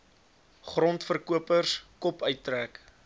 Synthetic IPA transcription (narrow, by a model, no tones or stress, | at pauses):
χrɔntfərkuəpərskɔpœɥtːræk